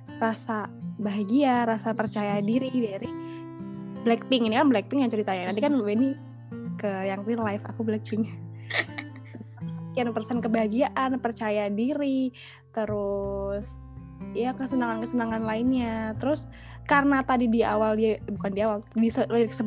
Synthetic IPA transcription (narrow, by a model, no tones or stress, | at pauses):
rasabaɦaɡiaɾasapərt͡ʃajadiɾidaɾi | blɛk̚pɪŋinikanblɛk̚pɪŋjaŋt͡ʃəɾit̪aɲat̪adikanbɛni | kəjaŋrilajfa̰kublɛk̚pɪŋ | əpəsakianpərsɛnkəbaɦaɡiaʔanpərt͡ʃajadiɾi | t̪əɾʊs | jakəsənaŋankəsənaŋanlaɪnɲat̪əɾʊs | karnat̪adidiawaldiabukandiawaldisəlaɾikə̥səb